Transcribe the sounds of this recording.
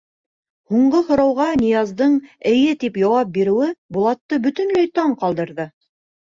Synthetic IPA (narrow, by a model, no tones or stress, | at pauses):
huɴɢɤhŏɾɑwʁɑnʲijɑzd̪ɤɴɘ̆jɘt̪ipjɑwɑp̚biɾɘ̆wɘbulˠɑt̪ːɤbɵ̆t̪ɵ̆nlæjt̪ɑɴqɑlˠd̪ɤ̆ɾðɤ